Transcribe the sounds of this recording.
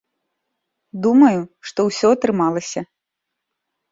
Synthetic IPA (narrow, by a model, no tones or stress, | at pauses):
d̪umɐjuʂt̪ɔwsʲɔɐt̪ɾɨmalˠɐsʲɐ